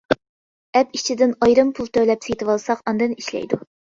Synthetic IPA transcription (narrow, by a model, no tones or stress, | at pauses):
ɛpit͡ʃʰid̪ɪnɑjɾɨmpʰulˠt̪ʰølɛpsejt̪ʰɨwɑlˠsɑqɑnd̪ɨniʃlɛ̰jd̪u